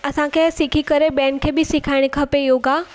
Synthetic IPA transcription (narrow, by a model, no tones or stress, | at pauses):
ɐsãkʰesɪkʰikəɾebɛ̃ːnkʰeːbɪsɪkʰaːɪɽ̃kʰɐpejoːɡaː